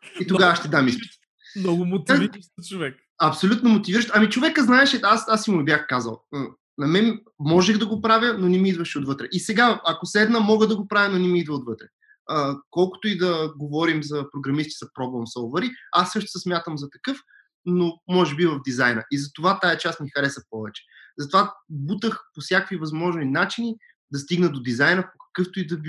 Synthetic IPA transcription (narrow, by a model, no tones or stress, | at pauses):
it̪oɡavaʃt̪ɛd̪amispit̪ | nɔɡʊmotkat͡ʃovɛk | ɐpsolʲut̪nomot̪iviɾəʃt̪ɐmit͡ʃovɛkəznaɛʃɛasasimʊɛbjaxkazə̰lˠə | nɐmɛn | mɔʒɛɣd̪ɐɡopɾavʲjənonɛmiid̪vɐʃɛod̪vɤt̪ɾɛʔisɛɡaɐkosɛd̪nəmɔɡəd̪ɐɡopɾavʲjənonɛmiid̪vəot̪vɤt̪ɾɛ | əkɔlˠkʊ̥t̪oid̪ɐɡovɔɾimzɐpɾoɡɾɐmist̪i̥zɐpɾɔblˠomsɔlˠvɛɾiasːɤʃt̪ʊ̥sɛsmʲjat̪əmzɐt̪ɐkɤf | nomɔʒɛbivɐvd̪izajnɐʔizɐt̪ovat̪aɛt͡ʃasmixɐɾɛsɐpɔvɛt͡ʃɛ̥ | zɐt̪ovabut̪əxposʲjakvivɐzmɔʒninat͡ʃini | d̪ɐst̪iɡnɐd̪od̪izajnəpokɐ̥kɤft̪oid̪ɐb